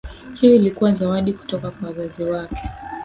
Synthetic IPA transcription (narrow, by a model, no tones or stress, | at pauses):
hijɔilikuwazawaɗiku̥tɔkakwawazaziwakɛ̥